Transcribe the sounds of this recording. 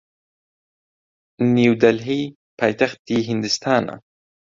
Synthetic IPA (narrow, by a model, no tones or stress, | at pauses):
niwd̪alɦi | pʰaːjt̪axt̪̚iɦɪnd̪ɪst̪ʰaːna̰